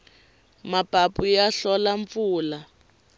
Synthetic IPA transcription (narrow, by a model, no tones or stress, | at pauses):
mapapujaɬɔlaɱp̪fuːla